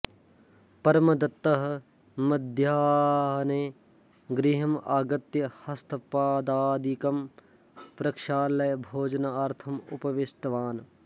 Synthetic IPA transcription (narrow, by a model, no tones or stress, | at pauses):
pɐɾmɐd̪ɐt̪ːɐɦɐ | mɐd̪ʱjaːɦneː | ɡɾiɦɐmaːɡɐt̪jɐhɐst̪ʰɐpaːd̪aːd̪ikɐm | pɾɐkʃaːlɐjɐbʱoːd͡ʒɐnɐɐɾt̪ʰɐmṵpɐʋɪsʈ̪ɐʋaːn